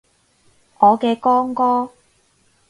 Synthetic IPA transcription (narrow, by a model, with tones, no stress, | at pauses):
ʔɔː˨˧kɛː˧kɔː˥ŋkɔː˥